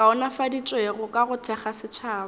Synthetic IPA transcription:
kaʊnafadit͡ʃʼɔeɣʊkʼaɣʊtʰɛχasɪt͡ʃʰaːb

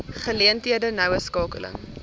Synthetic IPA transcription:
χəliəntiədənœwəskɑːkə̰lə̰ŋ

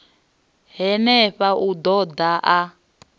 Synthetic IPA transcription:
ɦɛnɛɸaʔud̪ɔd̪aʔa

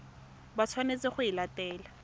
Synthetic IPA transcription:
bat͡sʰwanet͡sɪχʊilatɛːla

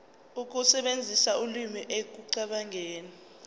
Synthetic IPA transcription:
uk̬ʼusɛɓend͡zʱisaulimiʔek̬uǀaɓaŋeːni

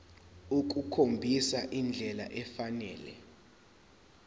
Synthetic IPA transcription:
uk̬ʼukʰombʱisaʔind͡ɮʱɛla̰ʔɛfanɛːlɛ̰

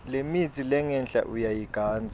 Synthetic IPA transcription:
lemit͡sʰʼilɛŋɛnɬʼa̰ʔujajiɡ̥ʱaːnd͡zʱa

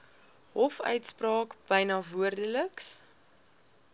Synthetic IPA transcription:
ɦɔfœ̰ɥtsprɑːkb̥əjnɑːvuərdələks

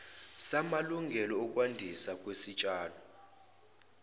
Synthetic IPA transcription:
samaluŋɡʱɛlɔːkʼwandʱisakʼwesit͡ʃʼaːnɔ

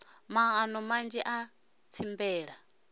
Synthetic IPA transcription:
maːnɔmand͡ʒiʔa | t͡sʰimbɛːɺa

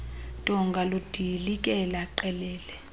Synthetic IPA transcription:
tʼɔŋɡʱalud̥ʱilik̬ʼɛlaǃɛlɛːlɛ

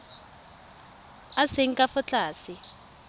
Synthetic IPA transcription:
aseŋ̩kʼafɔt͡ɬʼaːsi

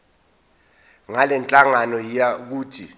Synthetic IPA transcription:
ŋalɛnt͡ɬʼaŋanɔjijak̬uːtʰi

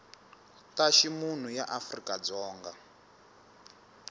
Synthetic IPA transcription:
taʃimun̤ujaʔafrikad͡zɔːŋɡa

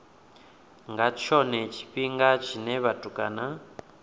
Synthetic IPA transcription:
ŋɡat͡ʃʰɔnɛt͡ʃʰi̥ɸiŋɡat͡ʃʰinɛβatʼukʼa̰na

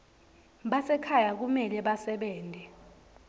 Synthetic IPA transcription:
ɓasɛkʰajak̬umɛlɛɓasɛɓɛːntʼɛ

